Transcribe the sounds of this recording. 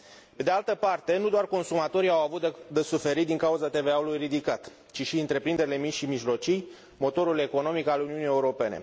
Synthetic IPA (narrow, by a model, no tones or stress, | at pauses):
pe̞d̪ealt̪əpart̪e̞nud̪oarko̞nsumat̪o̞ɾiawavut̪d̪esufe̞ɾit̪̚d̪iŋkauzat̪e̞ve̞aulujrid̪ikat̪ | t͡ʃiʃiɨnt̪ɾe̞pɾind̪eɾile̞mit͡ʃʃimiʒlo̞t͡ʃij | mo̞t̪o̞ɾule̞ko̞no̞mikaluniunije̞uɾo̞pe̞ne̞̰